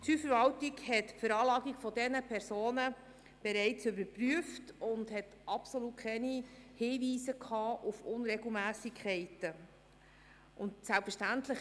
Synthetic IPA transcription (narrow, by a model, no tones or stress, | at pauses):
syfəɾvɑltiɡhɛtfəɾɑːlɑːɡiɡfɔdɛnəpʰɛɾsoːnə | b̥ɛɾɛɪt͡sʏbəɾpryəftʊndhɛt | ʔɑpsɔlut̚kʰɛnihiːviːsəkʰɑːʔufʊnɾɛɡl̩mæːsikʰχɛɪtə | ʔʊntsɛlpfəʃtæntlɪχ